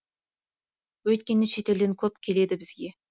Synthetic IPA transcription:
wɵjt̪̚kʲenɪʃet̪eld̪ɪnkʲʰɵp̚kʲʰeled̪ɪbɪz̥ɡʲe

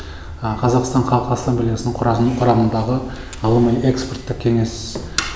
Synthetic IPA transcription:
əqʰɑzɑqst̪ɑɴqʰɑlˠqəasamblʲijasnəɴqʰʊɾɑnqʰʊɾɑmənd̪ɑʁə | ɑlˠəməjʔe̞ksport̪ːɪkkʲʰeŋe̞s

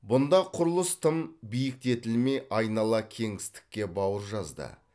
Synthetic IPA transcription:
bʊnd̪ɑqʰʊɾəlˠəst̪ʰəmbijɪk̚t̪e̞t̪ɪlme̞jʔɑjnɑlˠɑkʲʰe̞ŋɪst̪ɪ̥kʲːe̞bɑwəɾʒɑzd̪ə̰

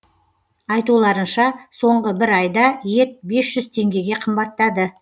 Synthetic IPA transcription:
ɑjt̪ulˠɑɾənʃɑso̞ɴʁəbɪɾɑjd̪ɑje̞t̪̚be̞sʒ̥ʏzt̪ʰe̞ŋɡʲe̞ɡʲe̞qʰəmbɑt̪ːɑd̪ə

